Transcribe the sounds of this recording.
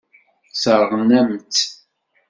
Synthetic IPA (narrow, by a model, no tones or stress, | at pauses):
səɾˤʁnæmt͡s